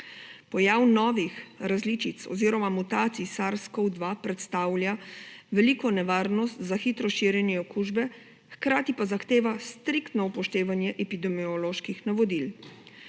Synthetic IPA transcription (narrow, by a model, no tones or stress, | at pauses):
pɔjawnɔːʋixɾazliːt͡ʃit̪sɔ̰ziːɾɔmamut̪aːt̪sisaɾskɔwd̪ʋapɾɛt̪st̪aːwljaʋɛlikɔnɛʋaːɾnɔst̪zaxiːt̪ɾɔʃiːɾjɛnjɛɔkuʒbɛ | xkɾaːt̪ipazaxt̪eːʋast̪ɾikt̪nɔupɔʃt̪eːʋanjɛʔɛpid̪ɛmiɔloːʃkixnaʋɔd̪il